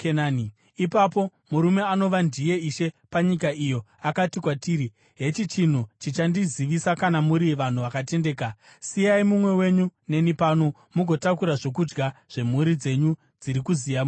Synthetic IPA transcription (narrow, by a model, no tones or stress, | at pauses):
kenaːni | ipapo̞muɾume̞ano̞ʋandije̞iʃe̞paɲikaijo̞akatikwatiːɾi | ɦe̞t͡ʃit͡ʃin̤ut͡ʃit͡ʃandiziʋisakanamuɾiʋan̤uʋakate̞nde̞ːka | sijaimumwe̞we̞ɲune̞nipano | muɡʱo̞takuɾaʐo̞kud͡ʒɡaʐ̥e̞m̤uɾid͡ze̞ɲu | d͡ziɾikuzijam